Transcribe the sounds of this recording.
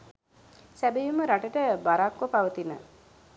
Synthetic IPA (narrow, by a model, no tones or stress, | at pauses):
sæbejuməɾaʈəʈəbaɾakʋəpaʋət̪inə̰